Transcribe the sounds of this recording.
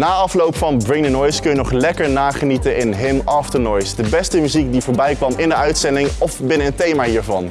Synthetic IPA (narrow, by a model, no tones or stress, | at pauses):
naːɑflowpfɑnbɹɪŋdənɔjskənjənɔχlɛkəɹnaːχənitənɪnɦɪmɑftənɔjsdəbɛstəmyzikdivoːɹbɛjkʋɑmɪndəœɥtsɛndɪŋɔfbɪnəənntejmaːɦiːɹvɑn